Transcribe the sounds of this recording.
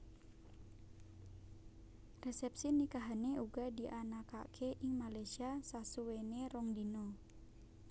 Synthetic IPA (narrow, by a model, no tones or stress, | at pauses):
rɛsɛp̚sinikaɦaneuɡadiʔanaka̰kʰeʔɪŋmalajsiasasuweneɾɔŋdinɔ